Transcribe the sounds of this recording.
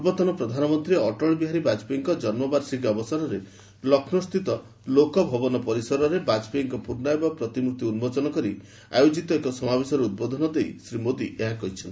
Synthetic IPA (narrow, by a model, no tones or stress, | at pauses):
ubɔt̪ɔnɔpɾɔd̪ʱanɔmɔnt̪ɾiɔʈɔɭɔbiɦaɾibad͡ʒpeŋkɔd͡ʒɔnmɔbaɾsiɡɔbɔsɔɾɔɾe | lɔkʰnɔst̪it̪ɔ | lokɔbʱɔbɔnɔpɔɾisɔɾɔɾebad͡ʒpeŋkɔpuɾnajbapɾɔt̪imɾut̪iunbɔt͡ʃɔnɔkɔɾi | a̰jod͡ʒit̪ɔekɔsɔmabesɔɾeud̪̚bod̪ʱɔnɔd̪ejsɾimod̪iʔeɦãkɔɦit͡ʃʰɔnt̪i